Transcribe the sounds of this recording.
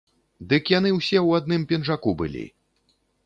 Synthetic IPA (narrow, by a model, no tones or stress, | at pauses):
d̪ɨkjan̪ɨwsʲɛwad̪̚nɨmpʲɛnʐakubɨ̰lʲḭ